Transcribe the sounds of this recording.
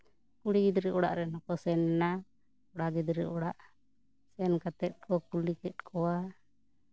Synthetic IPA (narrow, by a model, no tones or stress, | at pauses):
kuɽiɡid̪ɾɛʔɔɽa̰ʔɾɛnakɔsɛnna | ɔɽaɡid̪ɾɛ̰ʔɔɽaʔ | sɛnkat̪ɛt̪̚kɔkulikɛt̪̚kʰɔwa